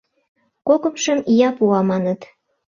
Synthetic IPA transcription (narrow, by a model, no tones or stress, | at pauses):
kokəmʃəmijɑpuɑmɑnət̪